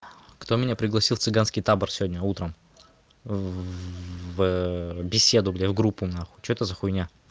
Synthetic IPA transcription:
kt̪omʲɪnʲapɾʲɪɡlˠɐsʲilˠt̪sɨɡanskʲɪjt̪abərsʲɪvʲodʲnʲəut̪ɾəm | vbʲɪsʲed̪ʊblʲevɡɾupːʊmnaxʊ̥t͡ɕoɛt̪əzəxʊjnʲa

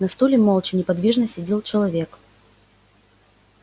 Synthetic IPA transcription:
nɐst̪ulʲɪmɔlˠt͡ɕɪnʲɪpad̪vʲiʐnɐsʲɪd͡zʲelˠt͡ʃɐlˠavʲɛk

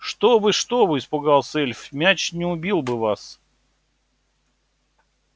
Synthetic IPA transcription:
ʂt̪obɨʂt̪obɨɪspʊɡalˠsɛlʲfʲmʲæt͡ɕnʲɪʊbʲilˠbɨvas

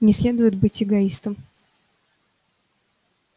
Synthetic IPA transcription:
nʲɪsʲlʲe̞d̪ʊjɪd̪̚bɨtʲɪɡɐist̪əm

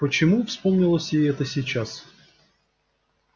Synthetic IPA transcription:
pət͡ɕɪmufspomnʲɪlˠəsʲjeɛt̪əsʲɪt͡ɕas

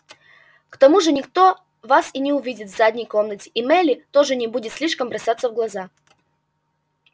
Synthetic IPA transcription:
kt̪ɐmuʐɨnʲɪkt̪o̞ | vasinʲɪʊvʲidʲɪt̪vzadʲnʲɪjko̞mnətʲɪ̥ʔɪmɛlʲɪt̪o̞ʐɨnʲɪbudʲɪt̪sʲlʲiʂkəmbɾɐsʲat̪səvɡlˠɐza

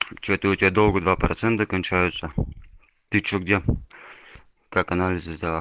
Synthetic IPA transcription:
t͡ɕɛt̪əotʲɪbʲad̪olˠɡəd̪vapɾɐt̪sɛnt̪əkɐnʲt͡ɕæjʊt̪sə | t̪ɨt͡ɕːoɡdʲe | kakɐnalʲɪzɨzʲd̪ʲɐlˠa

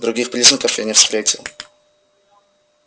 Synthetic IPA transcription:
d̪ɾʊɡʲixpɾʲiznʲəkəfjanʲɪfst̪ɾʲetʲɪlˠ

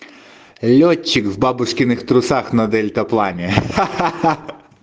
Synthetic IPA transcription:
lʲɔtʲːɪkvbabʊʂkʲɪnɪxt̪ɾʊsaxnɐd̪ɛlʲt̪ɐplˠanʲɛ

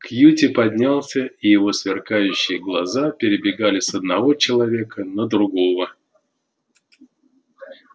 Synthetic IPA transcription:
kjutʲɪpɐd̪ʲnʲalˠsʲəijɪvo̞svʲɪrkajʉɕːɪjɪɡlˠɐzapʲɪɾʲɪbʲɪɡalʲɪsəd̪nɐvo̞t͡ɕɪlˠɐvʲe̞kənəd̪ɾʊɡo̞və

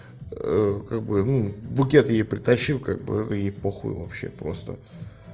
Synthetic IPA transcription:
əkaɡ̚bɨnubʊkʲe̞t̪jejpɾʲɪt̪ɐɕːilˠkaɡ̚bɨ̰ɛt̪əjejpoxʊ̰jʊ̰vɐpɕːe̞̰pɾo̞̰st̪ə̰

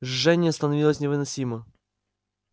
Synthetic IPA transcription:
ʐːɛnʲɪəst̪ənɐvʲilˠəsʲnʲɪvɨnɐsʲimə

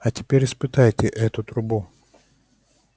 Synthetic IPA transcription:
ɐtʲɪpʲeɾʲɪspɨt̪ajtʲɪʔɛt̪ʊt̪ɾʊbu

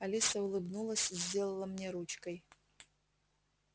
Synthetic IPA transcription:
alʲisɐulˠɨbnulˠɐsʲizʲdʲe̞lˠɐlˠɐmnʲeɾut͡ʃkəj

